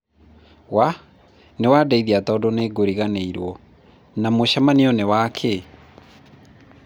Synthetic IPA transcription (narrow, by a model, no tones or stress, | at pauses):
wa | newaːdaiðiatɔːdoneɡoɾiɣaneiɾwɔ | namoɕamaniɔnewaːkʰe